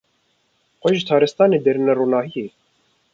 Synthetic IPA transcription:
xʷɔʒt̪ʰɑːɾɛst̪ɑːneːd̪ɛɾɨnɛruːnɑːhijeː

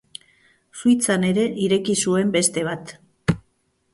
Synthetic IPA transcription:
suit͡sane̞ɾe̞ʔiɾe̞kisue̞mbe̞st̪e̞β̞at̪

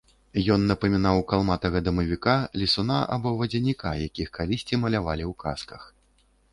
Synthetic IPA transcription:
jɔnːɐpɐmʲinawkalˠmat̪ɐɣɐd̪ɐmɐvʲikalʲisunaʔa̰bɔvɐd͡zʲɛnʲika̰jakʲixkalʲisʲt͡sʲimɐlʲavalʲiwka̰skɐx

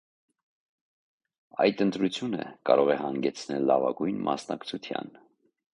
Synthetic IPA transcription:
ɑjd̪ənt̪ɾut͡sʰjunə̰kɑɾɔʁɛhɑŋɡɛt͡sʰnɛlːɑvɑɡujnmʔɑsnɑkt͡sʰut͡s̪ʰjɑ̰n

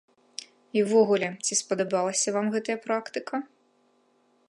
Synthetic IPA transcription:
iwvɔɣulʲɛt͡sʲispɐd̪ɐbalˠɐsʲɐvamɣɛt̪ɐjɐpɾakt̪ɨkʰɐ

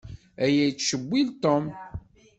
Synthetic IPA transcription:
æjæjt͡sːʃəbʷːilt̪om

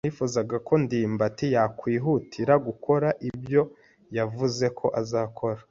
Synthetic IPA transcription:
nifuzaɡako̞ndiːmbatijakwiːɦutʰiɾaɡukʰo̞ɾaʔibjo̞ | javuze̞kʰo̞ʔazaːkʰo̞ɾḁ

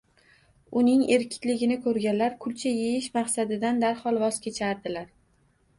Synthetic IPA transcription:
ʊnɪŋe̞ɾkʲʰɪ̥k̪ʲlɪɡʲɪnɪkʰɵɾɡʲanlaɾkʰʊlt͡ʃʰajejɪʃmaqsad̪ɪd̪and̪aɾhɒlˠvɒz̥kʲʰe̞t͡ʃʰaɾd̪ɪlaɾ

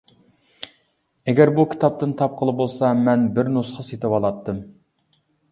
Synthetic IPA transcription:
ɛɡʲɛɾbukʲʰi̥t̪ʰɑp̚t̪ɨnt̪ʰɑp̚qʰəlˠɨbolˠsɑmɛnbɪɾnusqɑset̪ʰɪwɑlˠɑt̪ʰːɨm

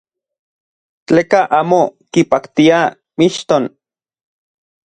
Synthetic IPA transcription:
t͡ɬeːkaʔaːmokipakt̪ia | miʃt̪on

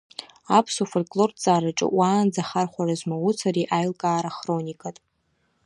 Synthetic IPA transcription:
apʰsufolʲkʼlo̞rt͡sʼaːraʈ͡ʂʼɨ̰waːnd͡zaχarχʷarazmawut͡sʰariʔajlkʼaːɾaχro̞nikʼatʼ

